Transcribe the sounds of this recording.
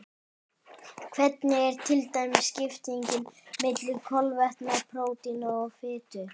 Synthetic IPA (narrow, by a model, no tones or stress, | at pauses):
kʰvɛt̪nɪɛɾ̥t̪ʰɪlt̪aːjmɪ̥scɪft̪iɲcɪnmɪt̪lɪkʰɔlvɛht̪napʰɾoːwt̪inɔɔɣfɪːt̪ʏ